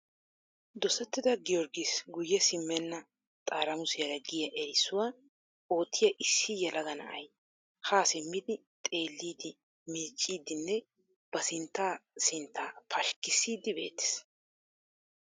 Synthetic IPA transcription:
d̪ɔsɛt̪ːɪd̪ɐɡɪjɔɾɡisɡʊjːɛsɪmːɛnːɐ | t̪ʼaːɾɐmʊsɪjɐɾɐɡɪjɐʔɛɾɪsʊwaː | o̞ːt̪ʰːɪjɐʔɪsːɪjɛlɐɡɐnɐ̰ʔɐ̰j | haːsɪmːɪd̪ɪ | t̪ʼe̞ːlːiːd̪ɪ | miːt͡ʃʼːiːd̪ɪnːɛ | b̥ɐsɪnt̪ːaːsɪnt̪ːaːpʰɐʃkɪsːiːd̪ɪbe̞̰ːt̪ːɪ̥s

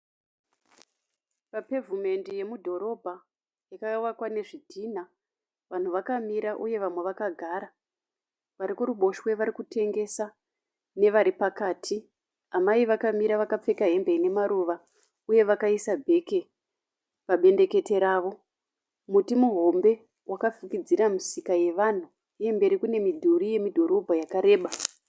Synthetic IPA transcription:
pape̞vume̞ndeje̞mudʱo̞ɾo̞bʱa | jakaauwakwane̞ʐidʱiːn̤a | ʋan̤uʋakamiɾaʔuje̞ʋamweʋakaɡʱaɾa | ʋaɾikuɾuɓo̞ʃwe̞ʋaɾikutʰe̞ŋɡe̞sa | ne̞ʋaɾipakaːtʰi | amaiʋakamiɾaʋakap͡fe̞kaɦe̞mbe̞ine̞maɾuʋa | uje̞ʋakaisabʱe̞ke̞ | paɓe̞nde̞ke̞te̞ɾaːʋo | mutimuɦo̞mbe̞ | wʔakafikid͡ziɾamisikaje̞ʋan̤u | ijembe̞ɾikune̞midʱuɾije̞midʱo̞ɾo̞bʱajakaɾe̞ːɓa

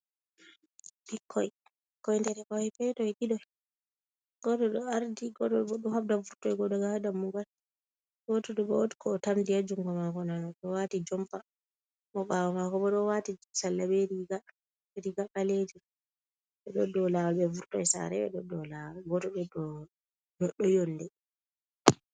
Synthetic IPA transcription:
ɓikʰːɔj | kɔjndɛɾɛkɔɛpɛjtɔjɗiɗɔ | ɡɔtɔɗɔaɾdiɡɔɗɔɓɔɗɔhabdavuɾtɔjɡɔdɔɡahadamːuɡal | ɡɔtɔɗɔɓɔotkʰɔːtamdijad͡ʒuŋɡɔmakɔnanɔtɔwatid͡ʒɔmpa | mɔɓawamakɔɓɔɗɔwatisalːabɛɾiɡa | ɾiɡakaled͡ʒɛ | ɓɛɗɔdɔlawalbɛvuɾtɔjsa̰ɾɛ̰ɓɛ̰ɗɔɗɔlawaɡɔtɔɗɔdɔ | nɔɗːɔjɔnːdɛ

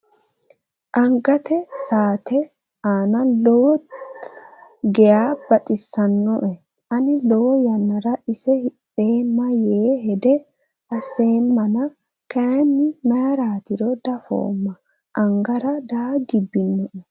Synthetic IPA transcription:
ʔɐŋɡɐt̪ɛsaːt̪ɛ | aːnɐlɔwɔ | ɡɛjaːb̥ɐt̪ʼɪsːɐnːɔʔɛ | ʔɐnɪlɔwɔjɐnːɐɾɐʔɪsɛhɪᶑeːmːɐjeːɦɛd̪ɛ | ɐsːeːmːɐnɐ | kɐnːɪmɐjɐɾaːt̪ɪɾɔd̪ɐfo̰ːmːɐ | ʔɐŋɡɐɾɐd̪aːɡɪbːɪnːɔʔɛ

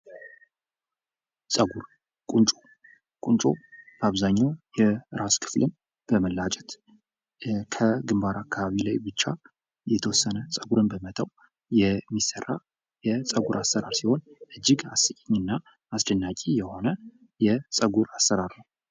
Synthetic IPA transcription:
sʼəɡuɾ | kʼunt͡ʃʼo | kʼunt͡ʃʼo̰baβzaɲːawjɛɾaskʰɨ̥flɨn | b̥əməlːat͡ʃʼɛt̪ | kʰəɡɨmbaɾakʰːaβaβilajbɨt͡ʃːa | jɛt̪ʰəwɔsːənəsʼəɡuɾɨnbəmət̪ʰəw | jɛmːisərːa | jɛsʼəɡuɾʔasːəɾa̰ɾsiho̞nʔɨd͡ʒːɪɡasɨkʼɛɲːɨnːa | asd̪ənːakʼijɛho̞nə | jɛsʼəɡuɾasːəɾaɾnəw

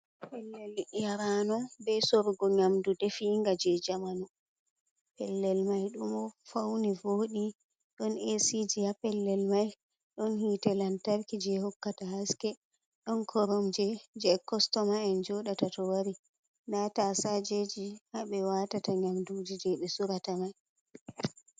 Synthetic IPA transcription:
pɛlːɛljaɾanɔbɛsɔɾɡɔɲamdudɛfiŋɡad͡ʒɛd͡ʒamanu | pɛlːɛlmajɗumɔfawnivoɗi | ɗɔnesid͡ʒijapɛlːɛlmaj | ɗɔnhitɛlantaɾkid͡ʒɛhɔkːataɦaskɛ | ɗɔnkʰɔɾɔmd͡ʒɛd͡ʒɛkɔstɔmaɛnd͡ʒɔɗatatɔwaɾi | natasad͡ʒed͡ʒihaɓɛwatataɲamdud͡ʒid͡ʒɛɓɛsuɾatamaj

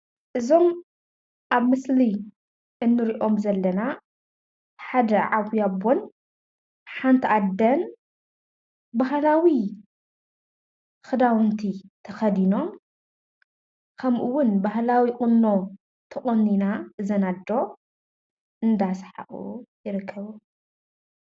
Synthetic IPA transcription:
ʔɨzo̞m | ʔaβmɨsli | ʔɨnːɨɾiʔo̞mzɐlːɐna | ħad̪ɐʕaβjabo̞n | ħant̪ʰiʔad̪ːɐn | baɦlawi | xɨd̪awɨnt̪ʰit̪ʰɐxɐd̪ino̞m | kʰɐmʔuwʊnbaɦlawikʼɨnːo̞ | t̪ʰɨχʼonːinazɐnad̪ɾo̞ | ʔɨnd̪asħa̰ʔṵjɪɾɨkʰːɐβu

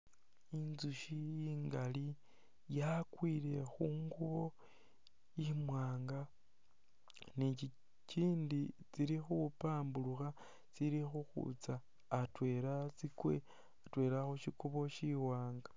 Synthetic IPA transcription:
inzuʃijiːŋɡali | jakwiːɾe̞xuːŋɡuβo̞ | imwaːŋɡa | ni | ciːndit͡siɾixupaːmbuluxa | t͡siɾixuxṵt͡saː | twe̞ɾat͡sikwe | atwe̞ːɾaxuʃikuβo̞ʃiwaːŋɡa

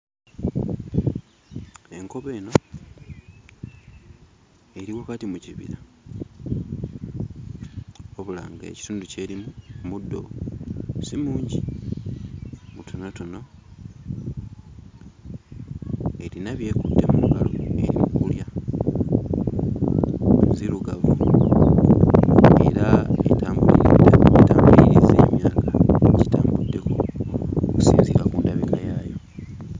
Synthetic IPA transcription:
e̞ŋko̞βe̞ːno̞ | e̞ɾiwakatimuciβḭɾa | oβula̰ːŋɡaḛci̥tuːnduce̞ɾimumudːo̞̰ | simuːɲɟi | mutʰo̞noto̞no̞ | e̞ɾinaβje̞ːkudːe̞muuɡaloe̞ɾimukulja | omuziɾuɡaβu | e̞ɾaḛtaːmbuḭetaːmbuliɾize̞ːmjaːkaɟitaːmbudːe̞ko̞ | ku̥siːnzikakuːndaβikajaːjo̞

